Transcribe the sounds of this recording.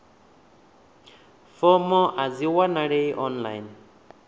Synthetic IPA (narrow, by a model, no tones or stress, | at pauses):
fɔmɔʔaziwanaɾejʔɔnla̰jn